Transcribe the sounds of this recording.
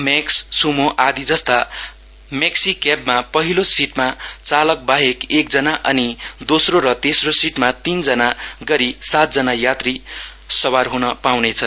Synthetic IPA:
meksːumoʔad̪id͡zʌst̪a | meksikabmapʌɦilosiʈmat͡salʌk̚baɦekekd͡zʌnaʔʌnid̪osroɾʌt̪esrosiʈmat̪ind͡zʌnaɡʌɾisat̪̚d͡zʌnajat̪risʌwarɦunʌpawnet͡sʰʌ

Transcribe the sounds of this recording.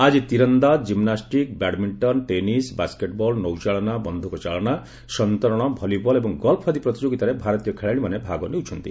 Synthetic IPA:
ad͡ʒit̪iɾɔnd̪ad͡ʒimnasʈikbaɽmiɳʈɔnʈenisbaskeʈbɔlnɔwt͡ʃaɭɔnabɔnd̪ʱukɔt͡ʃaɭɔña | sɔnt̪ɔɾɔɽ̃ɔbʱɔlibɔlebɔŋɡɔlpʰad̪ipɾɔt̪id͡ʒoɡit̪aɾebʱaɾɔt̪ijɔkʰeɭaɽ̃imanebʱaɡɔnewt͡ʃʰɔnt̪i

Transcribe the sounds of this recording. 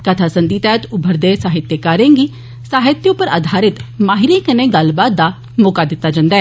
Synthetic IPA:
kət̪ʰaːsənd̪iːt̪ɛːt̪ʊbʱəɾd̪eːsaːɦɪt̪jekaːɾẽːŋɡiː | saːɦɪt̪ːjəʊpəɾa̰d̪ʱaːɾɪt̪maːɦɪɾẽːkəneːɡəlbaːt̪̚d̪aː | moːkaːd̪ɪt̪ːaːd͡ʒãːnd̪aɛː

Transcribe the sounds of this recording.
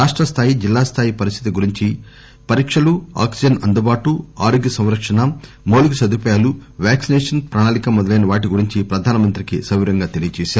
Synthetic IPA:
ɾaːʂʈɾɐst̪ʰaːjid͡ʒilːaːst̪ʰaːjipɐɾist̪ʰit̪iɡuɾiɲt͡ʃi | pɐɾiːkʂɐlua̰ːksid͡ʒɐnɐnd̪ubaːʈuaːɾoɡjɐsɐ̃w̃ɾɐkʂɐnɐ | moːluɡusɐd̪upɐjaːluʋjaːksinɛːʂɐnpɾaːɳaːlikɐmɔd̪ɐlɐjnɐʋaːʈiɡuɾiɲt͡ʃipɾɐd̪ʱaːnɐmɐnt̪ɾikisɐʋiɾɐŋɡaːt̪elijɐt͡ʃɛːʃaːɾu

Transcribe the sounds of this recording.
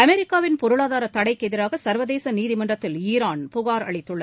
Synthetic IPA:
ɐmɛɾɪkːaːʋɪnpɔɾɯɭaːðaːɾɐt̪ːɐɽɐɪkɛðɪɾaːɣɐsɐɾʋɐðeːsɐniːðɪmɐɳɖrɐt̪ːɪliːɾaːnpʊɣaːɾɐ̰ɭɪt̪ːɯɭːɐ

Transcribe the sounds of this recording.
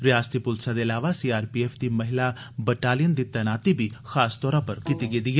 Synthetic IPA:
ɾɪjaːst̪iːpʊlsaːd̪eːəlaːʋaːsiːaːɾpiːɛːfʰd̪iːməɦɪlaː | bəʈaːlɪjənd̪iːt̪ɛːnaːt̪iːbiːxaːst̪ɔːɾãːpəɾkiːt̪iːɡed̪iːɛ

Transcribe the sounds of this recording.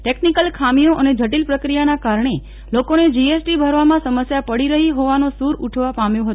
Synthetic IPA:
ʈeknikəlkʰamijoʔəned͡ʒʱəʈilpɾəkɾijanakaɾɳe | lokoned͡ʒiesʈibʱəɾʋamãsəməsjapəɽiɾəɦiɦoʋanosuɾuʈʰʋapamjõɦət̪

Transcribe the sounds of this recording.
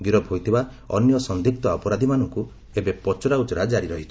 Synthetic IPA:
ɡiɾɔbɦojt̪ʰiba | ɔ̰njɔsɔnd̪ʱik̚t̪ɔapɔɾad̪ʱimanɔŋku | ebepɔt͡ʃɔɾaut͡ʃɔɾad͡ʒaɾiɾɔɦit͡ʃʰɔ̥

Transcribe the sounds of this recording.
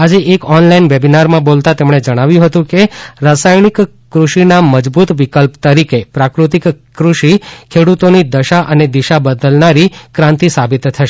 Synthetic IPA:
ad͡ʒeʔekɔnlainʋebinaɾmãbolt̪at̪emɳed͡ʒəɽ̃aʋjũɦət̪ũkeɾasajnik | kɾuʃinaməd͡ʒbut̪ʋikəlpt̪əɾikepɾakɾut̪ikkːɾuʃikʰeɽut̪onid̪əʃaʔəned̪iʃabəd̪əlnaɾikɾãnt̪isabit̪ʰːəʃe

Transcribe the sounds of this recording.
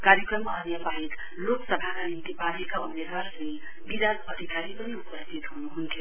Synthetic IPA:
kaɾjekrʌmːʌʌnjapaɦek | loksʌbʱakanint̪ipanekaumed̪waɦeɾi | bid̪adpʌd̪ʱikaɾipʌniupʌst̪it̪ɦunuɦunt̪ʰjo

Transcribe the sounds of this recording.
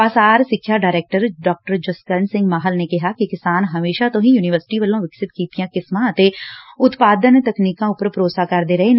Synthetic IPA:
pasaːɾsɪkʰːjaɖaːɾeːk̚ʈəɾɖɔːk̚ʈəɾd͡ʒɐskəɾnsɪ̃ŋɡmaːɦəlnekɐɦakikɪsaːnɦɐmeːʃat̪õɦĩjuːnɪʋəɾsɪ̥ʈiʋɐlõʋɪksɪt̪kiːt̪ijãkɪsmãt̪eʊt̪paːd̪ənt̪ɐkniːkãʊpəɾpɾoːsakɐɾd̪eɾɐɦen

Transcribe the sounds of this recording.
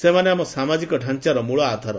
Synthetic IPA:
semaneamɔsamad͡ʒikɔɖʱãnt͡ʃaɾɔmuɭɔat̪aɾɔ

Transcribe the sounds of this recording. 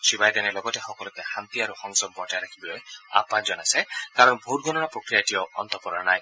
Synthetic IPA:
sibajd̪anelɔɡɔtexɔkɔlɔkehant̪iaɾuxɔŋsɔb̚bɔʈajɾakʰibɔɔja̰pãd͡ʒɔnajsekaɾɔnbʱotɡʱɔnɔnapɾɔkɾijatijɔɔ̰nt̪ɔpɔɾanaj

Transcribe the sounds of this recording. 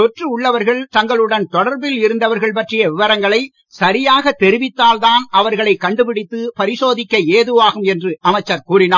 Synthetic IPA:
ɔʈrɯʊɭːɐʋɐɾɣɐɭt̪ɐŋɡɐɭɯɽɐnt̪ɔɽɐɾbɪlɪɾɯnd̪ɐʋɐɾɣɐɭpɐʈrɪjɐʋɪʋɐɾɐŋɡɐɭɐɪ | sɐɾɪjaːɣɐt̪ːɛɾɪʋɪt̪ːaːlðaːnʔɐʋɐɾɣɐɭɐɪkːɐɳɖɯpɪɽɪt̪ːɯpɐɾɪsoːðɪkːɐeːðɯʋaːɣɯmɛndrɯʔɐmɐɪt͡ʃːɐɾkuːrɪnaː

